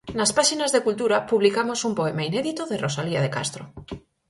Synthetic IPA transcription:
naspaʃinazðekult̪uɾapuβlikamosumpoemaineðit̪oðerosaliað̞eka̰st̪ɾo

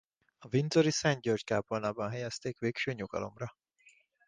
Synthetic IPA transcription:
ɒvint̪oɾisɛɲɟørt͡ʃkaːponaːbɒnɦɛjɛst̪eːkʋeːkʃøːɲuɡ̥ɒ̰lo̞̰mrɒ

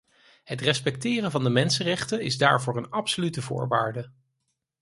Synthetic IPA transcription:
ɦətrɛspɛk̚tɪːrənvɑndəmɛnsənrɛχtənɪzda̰ːɹvʊːɹənɑpsolytəvʊ̰ːɹʋaːɹdə

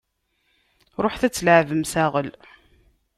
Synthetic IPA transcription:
ɾˤoħθæt͡sːləʕvəmsæʁəl

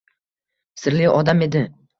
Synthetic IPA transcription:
sɪɾlɪʔɒd̪ame̞d̪ɪ

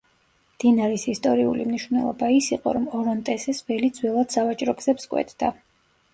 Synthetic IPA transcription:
md̪̥inaɾisist̪ʼɔɾiṵlḭmniʃwvnɛ̰lˠɔ̰baisiqʼɔ̰ɾɔmɔɾɔnt̪ʼɛsɛsvɛlid̪z̥wɛlˠad̪̥savat͡ʃʼɾɔɡz̥ɛpskʼwɛ̰t̪ʰd̪̥a

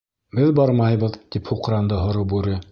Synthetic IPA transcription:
bɘðbɒɾmɑjbɤ̆ðt̪iphuqɾɑnd̪ɤɦŏɾɤpʉɾɘ

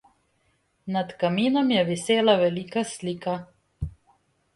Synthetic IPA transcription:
nat̪kamiːnɔmjɛʋiseːlaʋɛliːkasliːka

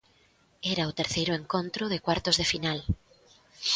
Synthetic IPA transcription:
ɛɾaʊt̪eɾθejɾʊeŋkõnt̪ɾʊðekwaɾt̪ozðefinal

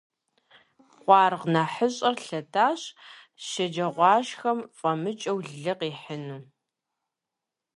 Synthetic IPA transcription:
qʷɑːrʁnaːħəɕʼɐrɬɐtʰaːɕ | ʃɐd͡ʒɐʁʷɑːʃxɐmfʼɐmɨt͡ʃʼɐwɮɮɨqiːħənuː

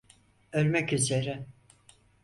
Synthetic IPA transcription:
ølʲmɛcyze̞ɾɪ

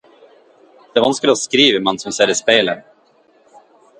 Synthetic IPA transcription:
d̪̥ɛvanskɵlɔskɾiːvəmansɔmsɛd̪əspeːlən

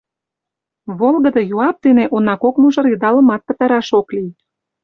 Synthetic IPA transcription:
βolɣə̆d̪ɤ̆juɑp̚d̪eneʔonɑkokmuʒə̆ɾid̪ɑlə̆mɑt̪̚pə̆t̪ɑɾɑʃoklij

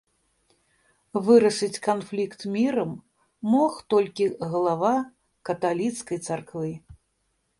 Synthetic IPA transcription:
vɨɾɐʂɨt͡sʲkanflʲikt̪mʲiɾɐmː | ɔxt̪ɔlʲkʲiɣɐlˠava | kɐt̪alʲit̪skɐjt̪sarkvɨ

